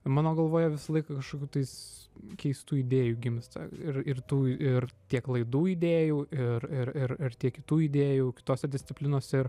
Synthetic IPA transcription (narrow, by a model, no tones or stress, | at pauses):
mɑːnoːɡɐlˠʋoːjɛʋʲɪsɐlˠɐɪkɐkɐʃkoːkʲuːt̪ɐɪskʲɛɪst̪uːiːd̪ʲeːjuːɡʲɪmst̪ɐ̰ɪrɪrt̪uːɪɾt̪ʲiɛklˠɐɪd̪uːiːd̪ʲeːjuːɪɾɪɾɪɾɪɾt̪ʲiɛkʲɪt̪uːiːd̪ʲeːjuːkʲɪ̥t̪oːsʲɛd̪ʲɪsʲtt͡s̪ʲɪpʲlʲɪnoːsʲɛɪɾ